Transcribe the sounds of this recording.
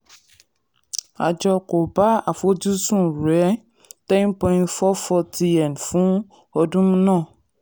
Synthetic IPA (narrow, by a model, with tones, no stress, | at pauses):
a̰˨d͡ʒɔ˧ko˨ba˦a˨fo˨˦d͡ʒu˦sũ˦˨ɾɛ˨˦ | tɛ̃˦npɔ̃˧ĩ˦ntfɔ˦fɔ˧tʰi˧ɛ˨nfũ˦ | ɔ˧dũ˦mũ˦nãː˦˨